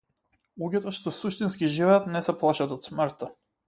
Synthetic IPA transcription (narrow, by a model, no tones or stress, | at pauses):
lˠuɡʲɛt̪ɔʃt̪ɔsuʃt̪inskʲiʒivɛat̪nɛsɛplˠaʃat̪ɔt̪sməɾt̪a